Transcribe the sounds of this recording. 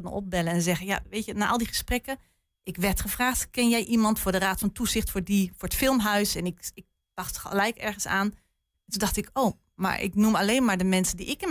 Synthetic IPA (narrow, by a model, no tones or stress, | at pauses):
tn̰ɔp̚bɛləɛnzɛɣənja̰ʋejtənaːʔɑlˠdiχəsprɛkə | ʔɪkʋɛɹtχəvraːχtkɪnjɛjʔimɑntfʊːɹdəraːtfɑntuzɪxtfʊːɹdifʊːɹətfɪlˠmɦœɥsɛnɪkɪk̚ | d̥ɑχtxəlɛjkɛɹɣənsaːn | tundɑχtɪkʰoː | ma̰ɹʔɪ̰knumaleːnmaːɹdəmɛnsədiʔɪkɪn